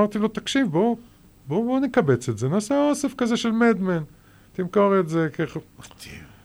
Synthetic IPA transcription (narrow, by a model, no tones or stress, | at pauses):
aʁt̪ilot̪akʃivbo | bobonekabe̞t͡se̞tzenaːseosefkazeʃelmed̪men | t̪imkoʁetzekeχat̪i